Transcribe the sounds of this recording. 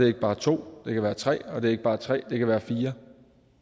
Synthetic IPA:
e̝ɐeɡ̥əb̥ɑ̈ːt͡sʰo̝̰ːd̥e̝kæʋæːɐt͡sʰʁɛ̰ːɒ̽d̥e̝ɐe̝ɡ̥əb̥ɑ̈ːt͡sʰʁɛ̰ːd̥e̝kʰæʋæːɐfiːɐ

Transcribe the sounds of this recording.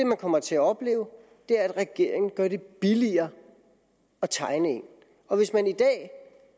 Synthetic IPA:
e̝mænkʰɒ̽m̰ɐt͡sʰe̝æɒ̽b̥le̝̰ːʊ | d̥e̝æɐæd̥ʁɛɡ̥e̝ɐ̰e̝ŋn̩ɡ̥ɶɐɾ̥e̝b̥iliɐː | ɒt͡sʰɑ̈ɪnəe̝n | ɒ̽ʋe̝smænid̥ɛ̰ː

